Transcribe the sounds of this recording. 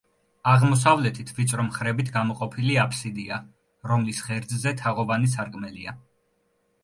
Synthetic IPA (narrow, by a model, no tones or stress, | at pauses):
aʁmɔs̬avlɛt̪ʰit̪ʰvit͡ʃ̪ʼɾɔmχɾɛbit̪ʰɡamɔqʼɔpʰiliapʰsid̪ia | ɾɔmlisʁɛɾd̪zzɛt̪ʰaʁɔvanisaɾkʼmɛlḭa